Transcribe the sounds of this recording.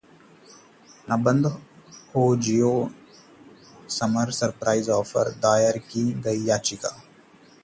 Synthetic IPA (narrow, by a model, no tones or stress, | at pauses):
nɐbə̃nd̪hoːd͡ʒijoː | sɐməɾsɐɾpɾaːɪzɔːfə̰ɾd̪aːjəɾkiɡɐijaːt͡ʃɪkaː